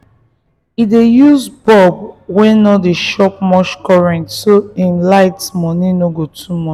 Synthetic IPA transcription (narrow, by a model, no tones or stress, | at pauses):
idejuzbɔb̚wɛ̃nɔdeʃɔp̚mɔʃkɔɹɛ̃ntsoĩnlaɪtmɔnĩnoɡotʰumɔ